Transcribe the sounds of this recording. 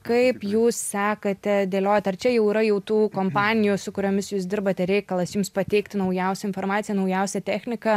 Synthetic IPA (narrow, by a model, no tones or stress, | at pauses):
kɐɪpjuːssʲɑːkɐt̪ʲɛd̪ʲeːlʲoːjɛt̪ʲɐrt͡ʃʲɛjɛʊiːɾɐjɛʊt̪uːkoːmpɑːnʲɪjuːsʊkʊɾʲoːmʲɪsjuːsd̪ʲɪrbɐt̪ʲɛɾʲɛɪkɐlˠɐsjumspɐt̪ʲɛɪkt̪ʲɪnɐʊjɛʊsʲɛɪnfoːrmɑːt̪sʲɪjɛnɐʊjɛʊsʲɛt̪ʲæːxʲnʲɪkɐ